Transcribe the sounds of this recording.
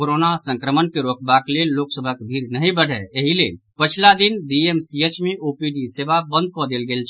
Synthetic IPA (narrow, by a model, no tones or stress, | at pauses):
oɾonasə̃ŋkɾəmənkeɾokbaklelːoksəbʱəkbʱiɾnəɦĩbəɽ̤ʱɛeɦilel | pət͡ʃʰlad̪inɖiemsiet͡ʃmeʔopiɖisebabənd̪̚ʱkɔd̪elɡeːlt͡ʃʰ